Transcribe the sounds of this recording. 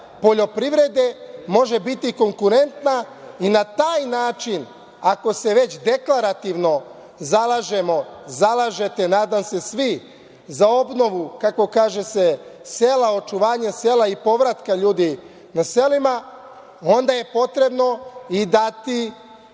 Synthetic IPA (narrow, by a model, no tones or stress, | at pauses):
po̞ʎo̞pɾiʋɾe̞d̪e̞mo̞ʒe̞bit̪iko̞ŋkuɾe̞nt̪na | inat̪aːjnaːt͡ʃin | ako̞se̞ʋe̞t͡ɕd̪e̞klaɾat̪iʋno̞ | zalˠaʒe̞mo̞zalaʒe̞t̪e̞naːd̪amse̞sʋi | zao̞bno̞ʋukako̞kaːʒe̞se̞se̞lao̞t͡ʃuʋaːɲeseːlˠaipo̞ʋɾat̪kaʎuːd̪i | nase̞lima | o̞nd̪aje̞po̞t̪ɾe̞bno̞id̪at̪i